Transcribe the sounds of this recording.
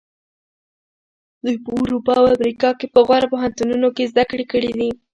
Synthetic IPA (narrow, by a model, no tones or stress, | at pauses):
d̪ujpəʊɾupɑawamɾikɑkepəɣwaɾapoɦant̪ununokezd̪akɽekəɽid̪i